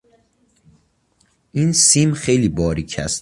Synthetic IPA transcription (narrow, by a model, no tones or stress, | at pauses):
ʔinsiːmxejliːbɒːɾiːcʰæ̰st̪